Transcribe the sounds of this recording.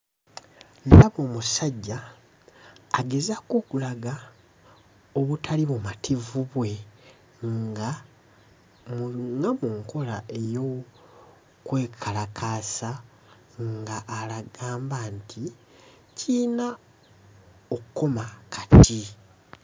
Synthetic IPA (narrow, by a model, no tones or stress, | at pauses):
ndaβoːmusaɟːa | ɡe̞zakoːkulaɡa | oβutʰaliβumatʰivuβwe̞ | ŋɡa | mŋɡamuŋkʰo̞laʔe̞jo̞ | kwe̞ːkʰalakʰasa | ŋɡaʔːlaɡaːmbaːntʰi | cʰina | okuko̞makʰḁtʰi